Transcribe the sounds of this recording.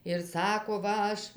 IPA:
ɪr ˈsɑːkoː ˈʋɐ ˈɐʃ

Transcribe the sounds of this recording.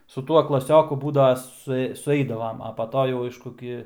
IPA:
sʊ ˈtuɔ klˠɐˈsʲoːkʊ ˈbuːdɐʋɐ sʊˈɛɪ sʊˈɛɪdɐʋɐm ɐ pɐ ˈtoː jɛʊ ˈɐɪʃkʊ ˈɡʲɪ

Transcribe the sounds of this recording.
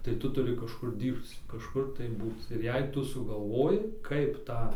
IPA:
tɐɪ ˈtʊ tʊˈrʲɪ kɐʃˈkʊr ˈdʲiːrpt͡s kɐʃˈkʊr tɐɪ ˈbuːt͡s ɪr ˈjɛɪ ˈtʊ sʊɡɐlˠˈʋoːjɪ ˈkɐɪp ˈtɑː

